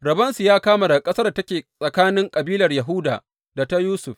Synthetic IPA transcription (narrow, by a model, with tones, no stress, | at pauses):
ɾɐ˨bɐ˦nsu˨jaː˦kaː˦ma˨da˨kʼɐ˦sɐ˦rda˨tɐ˦kʲeː˨sʼɐ˨kaː˦nɪ˦ŋkʼɐ˨biː˦lɐ˨rjɐ˨ɦʊ˦da̰ː˨ | da˨ta˦juː˦sʊ˨ɸ